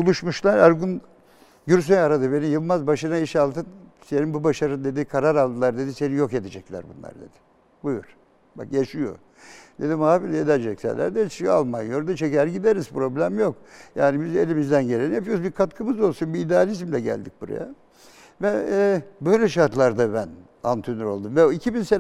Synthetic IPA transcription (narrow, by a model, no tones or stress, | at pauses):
bulˠuʃmuʃlˠaɾaɾɡun | ɟyɾs̬øjaɾad̪ɯbe̞nijɯlˠmazbaʃɯnaiʃalˠt̪ʰɯnse̞ninbubaʃaɾɯnd̪e̞d̪ikʰaɾaɾalˠd̪ɯlˠaɾd̪e̞d̪ise̞nijo̞ke̞d̪ed͡ʒɛclʲæ̰ɾbunlˠa̰ɾd̪e̞̰d̪̥i̥ | bujuɾ̥ | ba̰kjaʃɯjo̞̰ | d̪e̞d̪imhaːfilʲjed̪ɛd͡ʒɛcsæ̰nlːʲæ̰ɾd̪ɛʃija̰lˠmanjoɾd̪at͡ʃʰecæɾɟid̪eɾizpɾo̞blʲæmjo̞k | jaːnibize̞lʲimizd̪ænɟelʲenɛpjobiɾkʰat̪kʰɯmɯzo̞lˠsunbiːd̪ealʲizmlʲɛɟæ̰lʲd̪ic̚buɾa̰ja̰ | vɛbø̞jlʲɛʃaɾt̪lˠaɾd̪abæn | ant̪ʰynyɾo̞̰lˠd̪umvɛicʰibinse